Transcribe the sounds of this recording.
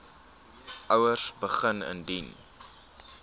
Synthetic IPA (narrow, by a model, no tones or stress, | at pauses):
ʔəwərsbəχənə̰ndin